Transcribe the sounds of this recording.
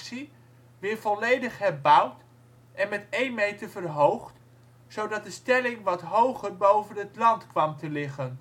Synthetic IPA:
si | ʋɪːɹvɔlejdəχɦɛrbʌwt | ɛnmɛtejnmejtəvərɦowχt | sowdɑt̚dəstɛlɪŋʋɑtɦowχəɹbowvənɦətlɑntkʋɑmtəlɪχən

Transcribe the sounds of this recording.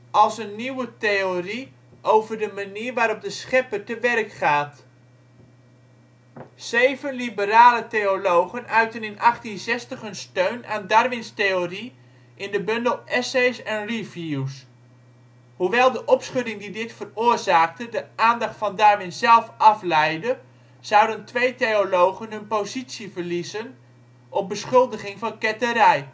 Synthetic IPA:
ʔɑlˠsənːiwəteori | ʔowvərdəmaniːrʋaːɾɔp̚dəsχɛpərtəʋɛrkχaːt | z̥ejvənlibəɾaːləteolowɣənœɥtənɪnʔɑχtinzɛstəχhənstøɥnaːndarʋɪnsteːori | ʔɪndəbɵndəlˠɛsejsɛnrivjus | huʋɛlˠdəʔɔpsχɵdɪŋdidɪtfəroːrzaːk̚tədəʔaːndɑχtfɑndarʋɪnzɛlˠfɑflɛjdə | z̥ɑwdəntʋejtejolowɣənɦɵnpowzitsjivərlizən | ʔɔp̚bəsχɵlˠdəχɪŋvɑnkɛtəɾɛj

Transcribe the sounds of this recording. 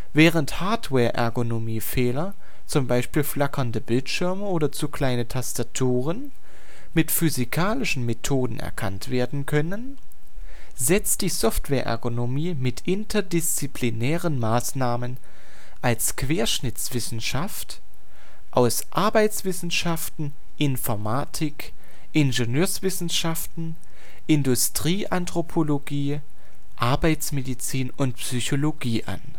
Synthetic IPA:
vɛːʁənthaɐtvɛːɐʔɛ̰ɐɡonomiːfɛːlɐ | t͡sʊmbaɪʃpiːlflakʰɐndəbɪltʃɪɐməoːdɐt͡sukʰl̥aɪnətʰastatʰuːʁ̞ən | mɪtfyzikʰaːlɪʃn̩metʰoːdn̩ʔɛ̰ɐkʰantv̥eːɐdn̩kʰœnən | zɛt͡st̚d̥iːzɔftv̥ɛːɐʔɛ̰ɐɡonomiːmɪtʰʔɪntʰɐdɪst͡sipʰlinɛːʁənmaːsnaːmən | ʔalskv̥eːɐʃnɪt͡sv̥ɪsn̩ʃaft | ʔaʊsʔaɐbaɪt͡sv̥ɪsn̩ʃaftn̩ | ʔɪnfɔɐmaːtʰɪk | ʔɪnʒenøːɐsv̥ɪsn̩ʃaftn̩ | ʔɪndʊstʁ̥iːʔantʁ̥opʰoloɡiː | ʔaɐbaɪt͡smedit͡siːnʊnt̚psyçoloɡiːʔa̰n

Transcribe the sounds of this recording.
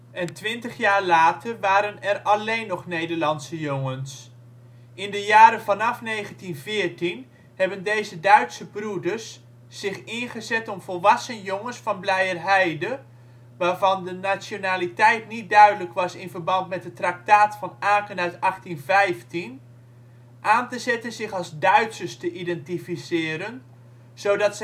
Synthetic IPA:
ʔɛntʋɪntəχjaːɹlaːtərʋaːɾənɛrɑlejnːɔχnejdəɹlɑntsəjʊŋəns | ɪndəjaːɾəvɑnɑfnejχəntinvɪːɹtin | hɛbəndejzədœɥtsəbrudəɹsː | ɪχɪnχəzɛtɔmvɔlˠʋɑsənjoŋənsfɑnblɛjərɦɛjdə | ʋaːrvɑndənasjonaːlitɛjtnit̚dœɥdələkʋɑsɪnvərbɑntmɛt̚ətrak̚taːtfɑnaːkənœɥtɑχtinvɛjftin | ʔaːntəzɛtənzɪχɑlˠzdœɥtsəstəʔidɛntifisɪːɾən | z̥owdɑts

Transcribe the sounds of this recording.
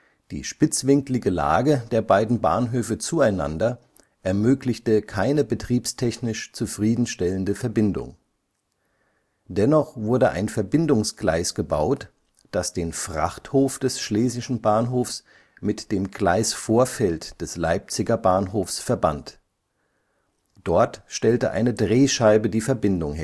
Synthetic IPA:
d̥ḭːʃpɪt͡sv̥ɪŋklɪɡəla̰ːɡəd̥eːɐbaɪdn̩ba̰ːnɦøːfət͡suaɪna̰ndɐ | ʔɛɐmøːklɪçtəkʰaɪnəbətʁ̥iːpstʰɛçnɪʃt͡sufʁ̥iːdn̩ʃtɛləndəfɛɐbɪndʊ̰ŋ | d̥ɛnɔχv̥ʊɐdəʔa̰ɪnfɛɐbɪndʊŋsɡ̥la̰ɪsɡ̥əba̰ʊt | d̥asd̥eːnfʁ̥a̰χthoːfd̥ɛsʃleːzɪʃn̩baːnɦoːfs | mɪtd̥eːmɡla̰ɪsfoːɐfɛltd̥ɛsla̰ɪp̚t͡sɪɡɐbaːnɦoːfsfɛɐba̰nt | d̥ɔɐtʃtɛltəʔa̰ɪnədʁeːʃaɪbədiːfɛɐbɪndʊŋhɪ

